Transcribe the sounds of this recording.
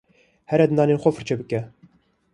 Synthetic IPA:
hɛɾɛd̪ɨnɑːnenxʷɔfɨɾt͡ʃʰɛbɨkɛ

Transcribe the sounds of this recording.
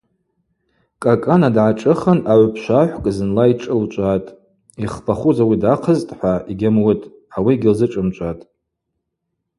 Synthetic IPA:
kʼakʼanadʕaʈ͡ʂʼɨχənaʕʷpʰʃʷaħʷkʼzɨnlaiʈ͡ʂʼɨlt͡ʃʷʼatʼ | iχpʰaχuzawidaqʰəztʼħʷaiɡʲamwʊtʼ | awiɡʲɪlzɨʈ͡ʂʼɨmt͡ʃʷʼatʼ

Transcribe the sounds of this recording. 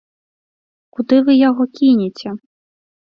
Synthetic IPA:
kud̪ɪʋɪjɔɦɔkʲinʲɪt͡sʲɛ

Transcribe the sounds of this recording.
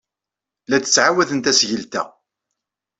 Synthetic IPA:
læt͡st͡sːʕawæðənt̪æsʝəlt̪æ̰

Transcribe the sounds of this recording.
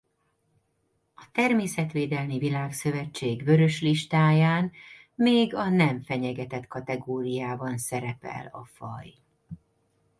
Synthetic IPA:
ɒt̪ɛrmeːsɛt̪ʋeːd̪ɛlmivilaːksø̞vɛt͡ʃːeːɡvø̞ɾø̞ʃliʃt̪aːjaːn | meːɡɒnɛɱfɛɲɛɡɛt̪ɛt̪kɒt̪ɛɡoːɾijaːbɒnsɛɾɛpɛ̰lɒ̰fɒj

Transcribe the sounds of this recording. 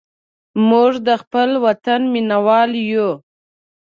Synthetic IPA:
muʐd̪əxpəlwat̪anminawɑlju

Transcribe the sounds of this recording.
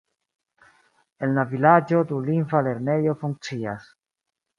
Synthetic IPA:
e̞nlavilad͡ʒo̞t̪uliɱfale̞ɾne̞jo̞fuŋk̚t͡sia̰s

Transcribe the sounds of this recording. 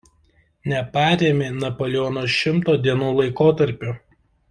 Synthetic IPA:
nʲɛpɑːɾʲeːmʲeːnɐpoːlʲɪɔːnoːʃʲɪmt̪oːd̪ʲiɛnuːlˠɐɪkoːt̪ɐɾʲpʲʊ

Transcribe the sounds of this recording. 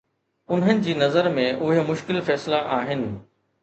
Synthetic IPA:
ʊnɦənɪ̆d͡ʑiːnɐzəɾmẽʔʊɦemʊʃkɪlfɛːslaʔaːɦɪnɪ̆

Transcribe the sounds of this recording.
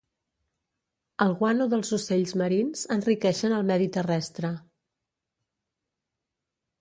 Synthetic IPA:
əlˠɣwanuðəlˠzuseʎzməɾinz̥ənrikɛʃənəlˠmɛðit̪ərɛst̪ɾə

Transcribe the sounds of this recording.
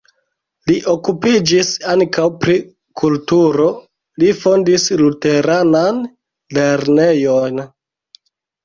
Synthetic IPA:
liʔokupid͡ʒisaŋkawpɾi | kʰultuɾo̞ | lifo̞ndislute̞ɾanan | le̞ɾne̞jo̞n

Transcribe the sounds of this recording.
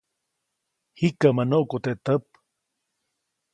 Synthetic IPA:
hikamanoʔkot̪eʔt̪əp

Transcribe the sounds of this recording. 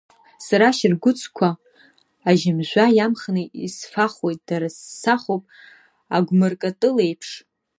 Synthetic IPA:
saɾaʃɪrɡʷʊt͡sʰʼkʷʰaː | ʒɪmʒʷajamχnɨisfaχo̞jt̚ʼd̥aɾasːaχopʼ | aɡʷmɨrkʼatʼɨlejpʰʂ

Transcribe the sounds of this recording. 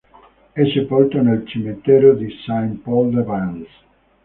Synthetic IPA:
ɛsepɔlt̪onelt͡ʃimet̪ɛːɾod̪isampɔld̪evans

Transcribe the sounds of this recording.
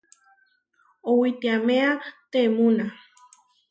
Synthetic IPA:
owit̪iamẽat̪emũna

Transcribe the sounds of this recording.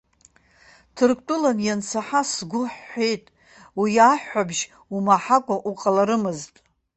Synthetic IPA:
tʰɨrkʰʼtʼʊlanjant͡sʰaħasɡʷʊħːʷe̞jtʼ | wijaħːabʒ | umaħakʷʼaʔuqʼalaɾɨmɨztʼ

